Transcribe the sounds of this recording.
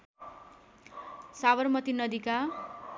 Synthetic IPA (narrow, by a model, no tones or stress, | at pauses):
sabʌrmʌt̪inʌd̪ika